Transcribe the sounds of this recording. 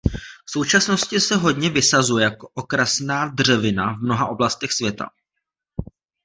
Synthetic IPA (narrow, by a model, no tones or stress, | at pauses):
fso̞wt͡ʃasno̞scɪsɛɦo̞dɲɛvɪsazujɛjakoʔokɾasnaːdr̝ɛvɪna̰vmno̞ɦaʔo̞blast̪ɛxsvjɛt̪a̰